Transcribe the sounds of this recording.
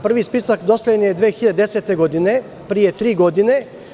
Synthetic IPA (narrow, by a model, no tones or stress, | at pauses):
pr̩ʋispisakd̪osloenijed̪ʋeːxiʎad̪ed̪ese̞t̪e̞ɡo̞d̪ine | pɾije̞t̪ɾiːɡo̞d̪ine̞